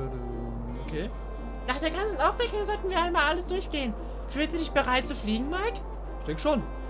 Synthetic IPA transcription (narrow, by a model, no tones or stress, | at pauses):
okʰeː | naːχd̥eːɐɡant͡sn̩aʊfv̥ɛklʊŋzɔltn̩viːɐʔaɪnmaːlʔaləsd̥ʊɐçɡ̥eːən | fyːlstd̥uːdɪçb̥əʁaɪt̚t͡sufliːɡŋ̩maɪk | ʃtɪktʃoːn